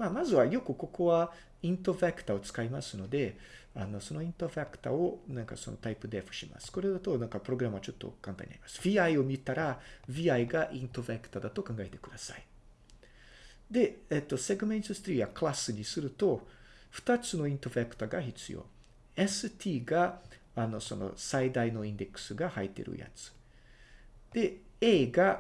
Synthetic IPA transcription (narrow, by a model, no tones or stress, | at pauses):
maːmazɨβajo̞kɯ̟ko̞ko̞βa | ĩnt̪oβakɯ̟̥t̪ao̞t͡sɨ̥kaimasɨno̞d̪e̞ | ano̞so̞no̞ĩnt̪oɸakɯ̟̥t̪a̰o̞nãŋka̰so̞̰no̞̰t̪aipɯ̟d̪e̞fɯ̟̥ɕima̰sɨ̥ko̞ɾe̞d̪at̪o̞nãŋkapɯ̟ɾo̞ɡɯɾamβat͡ɕo̞t̪ːo̞̰kãnt̪a̰ɲia̰ɾi̥̰masɨ̥b̥ʲiːaio̞mʲit̪aɾabʲiaiɡaʔĩnt̪oβekɯ̟̥t̪ad̪at̪o̞kãŋɡaet̪e̞̥kɯ̟d̪asa̰i | d̪e̞et̪ːo̞seɡɯmeĩnt̪ost̪ɾʲiːakɯlasɨɲ̟isɨɾɯ̟t̪o̞ | ɸɯ̟̥t̪at͡sɨno̞ĩnt̪oβekɯ̟̥t̪aɡaçit͡sɨ̰jo̰ | esɨt̪ʲʰiːɡa | ano̞̰so̞̰no̞̰said̪aino̞ĩnd̪e̞kɯ̟̥sɨɡahait̪ːḛɾɯ̰ja̰t͡sɨ̥ | d̪̥e̞eːɡa